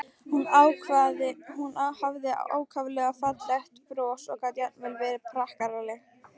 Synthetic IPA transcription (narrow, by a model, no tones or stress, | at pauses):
hunawkʰvaðɪhunahavðɪa̰o̰ːwkʰavʏlɛɣafat̪laht̪pɾɔːsɔɣkat̪jat̪̚nmɛlvɛːɾɪpʰɾahkaɾalɪ